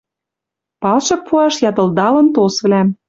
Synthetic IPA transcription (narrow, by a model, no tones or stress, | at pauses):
pɑlʃɤk̚pʰuɑʃjɑt̪ɤ̆ld̪ɑlɤ̆nt̪osβlæm